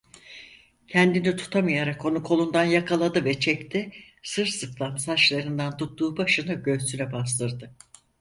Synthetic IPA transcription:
cʰɛnd̪init̪ʰu̥t̪ʰamɯjaɾako̞nukʰo̞lˠund̪anjakʰalˠad̪ɯvɛt͡ʃʰɛct̪ʰɪ | sɯɾsɯklˠansat͡ʃlˠaɾɯnd̪ant̪ʰut̪ːuːbaʃɯnaɟø̞zsynɛbas̬lˠɯɾd̪ɯ

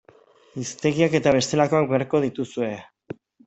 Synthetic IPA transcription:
ist̪e̞ɣiake̞t̪aβ̞e̞st̪e̞lako̞ak̚beaɾko̞ð̞it̪usue̞

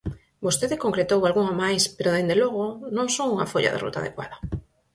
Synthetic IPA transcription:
bost̪eðɪkoŋkɾet̪owalɣuŋamajspeɾoðend̪eloɣonõŋsoŋuŋa̰foʎa̰ðḛrṵt̪a̰ðḛkwa̰ðɐ

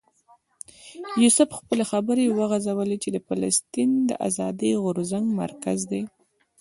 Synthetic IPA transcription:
jusʊfxpəlexabəɾewəɣazawəlet͡ʃed̪əfala̰st̪ind̪ə̰ʔa̰zɑd̪iɣʊɾzaŋɡma̰ɾkazd̪e

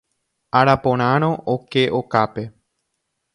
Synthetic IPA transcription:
aɾapõɾ̃ãɾ̃õʔokeʔokape̞

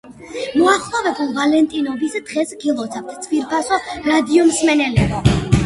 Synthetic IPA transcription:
mɔaχlˠɔvɛbulˠvalɛnt̪ʼinɔbisd̪̥ʁɛsɡilˠɔt̪sʰavt̪ʰt̪sʰviɾpʰasɔɾad̪iɔmsmɛnɛlɛbi

